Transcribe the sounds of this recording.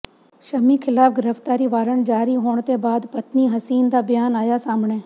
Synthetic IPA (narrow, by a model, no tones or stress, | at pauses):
ʃəmiːkʰɪlaːfɡɪɾəft̪aːɾiːʋaːɾəɳd͡ʒaːɾiɦoːɳ̃t̪eːbaːd̪pət̪niːɦəsiːnd̪aːbɪjaːnaːjaːsaːmɳeː